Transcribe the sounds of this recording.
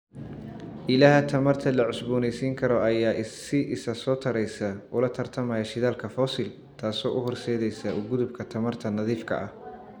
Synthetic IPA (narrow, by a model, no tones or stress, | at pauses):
ʔɪlaːɦɐt̪ʰɐmɐrt̪ʰɐlɐʕʊsbuːnɛjsiːŋkʰɐɾɔɐjaːʔɪsɪʔɪsɐsɔːt̪ʰɐɾɛjsɐʔʊlɐt̪ʰɐrt̪ʰɐmɐjɐʃɪðaːlkʰɐfɔsɪl | t̪ʰaːsɔːʔʊɦɔrsɛːðɛjsɐʔʊɡʊðʊbkʰɐt̪ʰɐmɐrt̪ʰɐnɐðiːfkʰɐ̰ʔɐh